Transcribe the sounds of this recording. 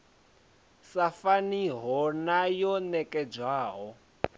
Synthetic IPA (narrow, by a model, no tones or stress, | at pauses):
safaniɦɔnajɔnɛkʼɛb͡ʐwaːɦɔ